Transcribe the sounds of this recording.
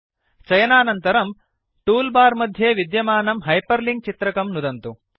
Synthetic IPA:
t͡ʃɐjɐnaːnɐnt̪ɐɾɐm | ʈuːlbaːɾmɐd̪ʱjeːʋid̪jɐmaːnɐmɦɐjpɐɾliŋɡ̚t͡ʃit̪ɾɐkɐmnud̪ɐnt̪u

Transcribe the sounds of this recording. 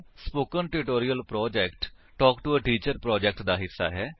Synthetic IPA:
spoːkənʈɪʈoːɾijəlpɾɔːd͡ʒɛːkʈ | ʈɔːkʈuəʈiːt͡ʃəɾpɾɔːd͡ʒɛk̚ʈd̪aːɦɪsːa̰ːɦɛː

